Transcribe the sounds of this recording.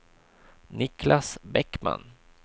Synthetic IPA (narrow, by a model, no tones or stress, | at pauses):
nɪklasbɛkːma̰n